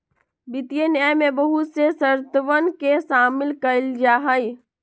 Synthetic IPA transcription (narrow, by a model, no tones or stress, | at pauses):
bɪt̪ijenjaːjmẽbəɦut̪sesəɾt̪əʋənkesaːmɪlkəld͡ʒaːɦəi